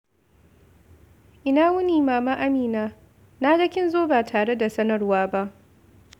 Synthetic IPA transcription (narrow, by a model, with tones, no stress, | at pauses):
ʔɪ˦naː˦wʊ˦niː˨maː˨maː˦ʔa˦miː˨naː˦ | naː˦ɡɐ˦kʲɪ˦nzoː˦baː˨tʰaː˨ɽe˦da˨sɐ˦nɐ˨rwaː˦ba˦ʔ